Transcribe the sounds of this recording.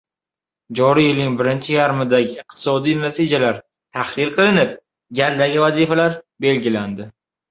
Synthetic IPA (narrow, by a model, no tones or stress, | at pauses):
d͡ʒɒɾijɪlnɪŋbɪɾɪnt͡ʃʰɪjaɾmɪd̪aɡʲɪːq̚t̪ʰɪ̥sɒd̪ijnat̪ʰid͡ʒalaɾ | t̪ʰaχɾɪɾqʰɨlˠɪnɪp̚ | ɡʲald̪aɡʲɪvazifalaɾbe̞lɡʲɪland̪ɪ